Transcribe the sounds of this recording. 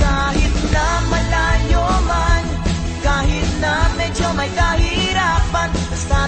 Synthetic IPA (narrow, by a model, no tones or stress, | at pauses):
kaɦit̪namːɐlajoman | kaːɦit̪namẽt͡ʃʰomɐjkaːɦiɾapɐn | st̪aː